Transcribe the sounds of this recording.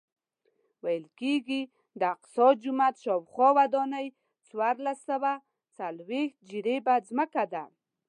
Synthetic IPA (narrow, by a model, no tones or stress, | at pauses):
wajəlkeɡi | d̪əq̪̚sɑd̪̚d͡ʒʊmat̪ʃɑwxwɑwad̪ɔnəj | t͡swaɾlasawa | t͡salwext̪̚d͡ʒiɾebazməkad̪a̰